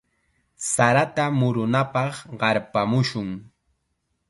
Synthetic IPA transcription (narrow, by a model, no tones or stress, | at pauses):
saɾat̪amʊɾʊnapɑχɢɑɾpamʊʃʊŋ